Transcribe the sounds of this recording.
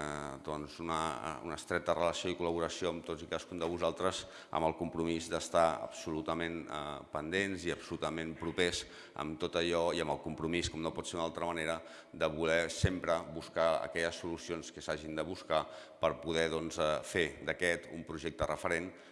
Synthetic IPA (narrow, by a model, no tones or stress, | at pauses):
d̪ɔnzunə̰ṵnəst̪ɾɛt̪ərələsioikuləβ̞uɾəsioəmt̪ozikaskund̪əβuzalˠt̪ɾəz | ə̰mbəlˠkumpɾumizd̪əst̪aə̰bsulut̪əmẽnə̰pənd̪enziəbsulut̪əmẽmpɾupez | ə̰mt̪ot̪əʎɔiəməlˠkumpɾumiskɔmnopɔtseunalˠt̪ɾəməneɾə | d̪əβulɛsempɾəβuskaə̰kɛʎəsːulusionskəsaʒind̪əβ̞uskapəɾpuðɛðɔnzɛfed̪əkɛt̪umpɾuʒek̚t̪ərəfəɾen